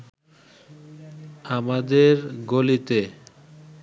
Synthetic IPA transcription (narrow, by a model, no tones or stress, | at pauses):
amad̪eɾɡolit̪e